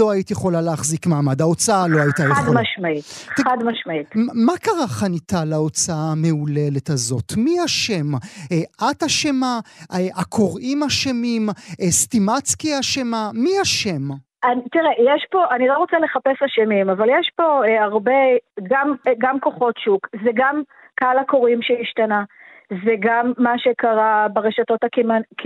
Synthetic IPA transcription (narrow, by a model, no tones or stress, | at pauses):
o̞aitijeχo̞laleaχzikmaːmadao̞t͡saaloajitajed̪maʃmait̪admaʃmaitmakaʁaχanitalao̞t͡saame̞ule̞le̞tazo̞̰tmiaʃe̞m | ataʃemaakʰo̞ʁimaʃemimstimat͡skiaʃemamiaʃe̞m | ant̪iʁejeʃpo̞ʔanilo̞ʁo̞t͡sele̞χapesaʃemimavaljeʃpo̞aʁbeɡamɡamkoχo̞tʃukzeɡam | kalakoʁimʃeiʃtana | zeɡamːaʃekaʁabeʁeʃato̞takimankʰ